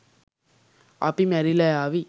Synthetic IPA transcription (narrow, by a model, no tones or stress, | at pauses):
a̰pimɛɾilaaːʋi